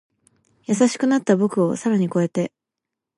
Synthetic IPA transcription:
jasaɕi̥kɯ̟nat̪ːabo̞kɯ̟o̞saɾaɲ̟iko̞e̞t̪e̞

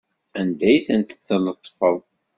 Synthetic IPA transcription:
ænd̪æjθənt̪θnət̪ˤːfəðˤ

